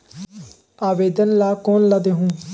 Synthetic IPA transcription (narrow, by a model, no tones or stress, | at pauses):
aːʋeːd̪ənlaːkoːnlaːd̪eːɦũː